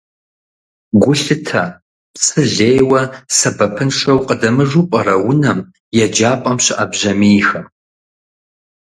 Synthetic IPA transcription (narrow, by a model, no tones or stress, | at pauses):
ɡʷʊɬɨtʰɐ | pt͡sʼʰɨɮejwɐsɐbɐpʰɨnʂɐwqʼədɐmɨʐupʼɐrɐwʊnɐm | jɛd͡ʒaːpʼɐmɕɪʔɐbʑɐmiːxɐ